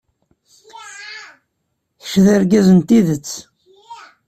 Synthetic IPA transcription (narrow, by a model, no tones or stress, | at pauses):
θə̥ʃðæɾɡæzənt̪iðət͡sː